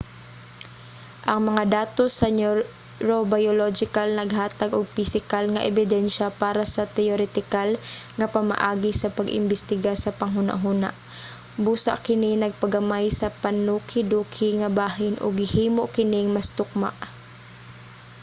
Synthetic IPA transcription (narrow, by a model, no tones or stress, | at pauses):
ʔɐŋmɐŋad̪aːt̪osɐno | ɾobajolod͡ʒɪkalnɐɡɦaːt̪aɡoɡ̚pɪsɪkalŋɐʔɛbɪd̪ɛnʃɐpaːɾasɐt̪ɛoɾɛt̪ɪkalŋɐpɐma̰ʔaːɡɪsɐpɐɡʔɪ̰mbɪst̪ɪɡasɐpɐŋɦuna̰ʔɦuna̰ʔ | buːsa̰ʔkɪnɪnɐɡ̚pɐɡɐmajsɐpɐnuːkʰɪd̪uːkʰɪŋɐbaːɦɪnʔo̰ɡhɪhiːmoʔkɪnɪŋmɐst̪ʊk̚ma̰ʔ